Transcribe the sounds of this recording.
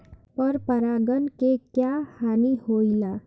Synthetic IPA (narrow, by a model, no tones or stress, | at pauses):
pəɾpəɾaɡənkekjahanihoila